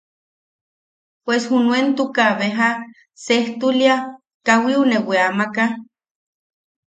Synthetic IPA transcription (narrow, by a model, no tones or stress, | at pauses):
pweshunuent̪ukaβeɦa | seht̪ulja | kawiuneweamaka